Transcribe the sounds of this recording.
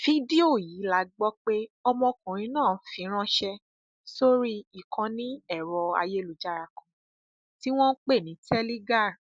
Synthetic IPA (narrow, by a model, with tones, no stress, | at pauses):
fi˦di˦o˦˨jiː˨˦la˨˦ɡ͡bɔ˦k͡pe˦ɔ˧mɔ̃˧kũ˨ɾ̃ĩ˧˦nãː˦˨fĩ˨˦ɾ̃ã˦ʃɛ˧ | so˦ɾi˦i˨kʰã˧nĩ˦ɛ˦˨ɾɔ˧a̰˧je˦lu˨d͡ʒa˨˧ɾa˨kɔ̃˨˧ | ti˦w̃ɔ̃˦k͡pe˦˨nĩ˨˦tɛ˦li˦ɡa˦˨